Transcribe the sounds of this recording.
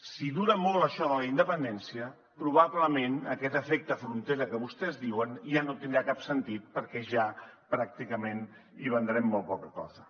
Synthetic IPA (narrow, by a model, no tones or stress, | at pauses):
siðuɾəmolˠəʃɔðələind̪əpənd̪ɛnsiə | pɾuβ̞aβləmenəkɛt̪əfɛk̚t̪əfɾunt̪eɾəkəβust̪ɛzðiwənʒanot̪ind̪ɾakapsənt̪it̪̚pəɾkɛʒapɾak̚t̪ikəmen | iβ̞ənd̪ɾɛmːolpɔkəkɔ̰zə